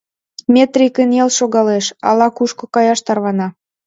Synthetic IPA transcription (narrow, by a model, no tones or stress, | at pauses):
mʲet̪rʲikənjelʃoɣɑleʃɑ̰lɑkuʃkŏkɑjɑʃt̪ɑrβɑnɑ